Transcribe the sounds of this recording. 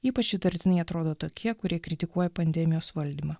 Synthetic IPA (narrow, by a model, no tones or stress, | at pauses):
iːpɐt͡ʃjɪt̪ɐɾʲt̪ʲɪnɐɪɐt̪ɾoːd̪oːt̪oːkʲʰiɛkʊɾʲiɛkɾʲɪt̪ʲɪkuɔjɛpɐnʲd̪ʲɛmʲɪjoːsʋɐlʲd̪ʲiːmɐː